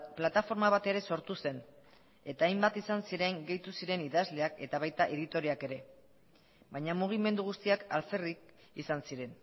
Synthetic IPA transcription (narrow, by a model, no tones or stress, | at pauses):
plat̪afo̞ɾmaβ̞at̪e̞ɾe̞so̞ɾt̪use̞n | e̞t̪aːjmbat̪isansiɾe̞ŋɡe̞jt̪usiɾe̞niðazle̞ake̞t̪aβajt̪aʔeðit̪o̞ɾiake̞ɾe̞ | bajɲamuɣ̞ime̞nd̪uɣ̞ust̪iakalferik | isansiɾe̞n